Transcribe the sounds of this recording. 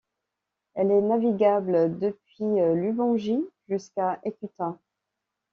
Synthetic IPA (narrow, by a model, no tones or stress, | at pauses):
ɛlɛnaviɡabld̪əpɥilybɑ̃ʒiʒyskaʔekʲyt̪ɛ̃